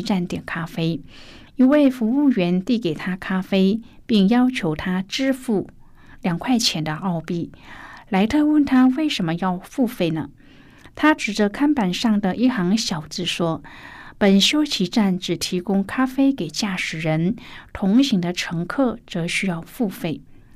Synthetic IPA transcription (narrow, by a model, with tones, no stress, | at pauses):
ʈ͡ʂa˥˩nt̪jɛ˨˩nkʰa˥fe˥ɪ | i˥nwe˥˩ɪfu˧˥u˥˩ɥɛ˧˥nt̪i˥˩ke˨˩ɪt̪ʰa˥kʰa˥fe˥ɪ | pi˥˩ŋjɑ˥ʊt͡ɕʰjo˧˥ʊt̪ʰa˥ʈ͡ʂɻ̩˥fu˥˩ | ljɑ˨˩ŋkʰwa˥˩ɪt͡ɕʰjɛ˧˥nd̪ə˧ʔɑ˥˧ʊpi˥˩la˧˥ɪt̪ʰɤ˥˧wə˥˩nt̪ʰa˥we˥˩ɪʂə˧˥nmə˧jɑ˥˧ʊfu˥˧fe˥˩ɪnə̰˩ | t̪ʰa˥ʈ͡ʂɻ̩˨˩ʈ͡ʂə˦kʰa˥npa˨˩nʂɑ˥˩ŋd̪ə˩ʔi˥˩xɑ˧˥ŋɕjɑ˨˩ʊt͡sɹ̩˥˩ʂwɔ˥pə˨˩nɕjo˥ʊt͡ɕʰi˧˥ʈ͡ʂa˥˩nʈ͡ʂɻ̩˨˩t̪ʰi˧˥kʊ˥ŋkʰa˥fe˥ɪke˨˩ɪt͡ɕja˥˩ʂɻ̩˨˩ɻə˧˥nt̪ʰʊ˧˥ŋɕi˧˥ŋd̪ə˧ʈ͡ʂʰɤ˧˥ŋkʰɤ˥˩t͡sɤ˧˥ɕy˥jɑ˥˧ʊfu˥˧fe˥˩ɪ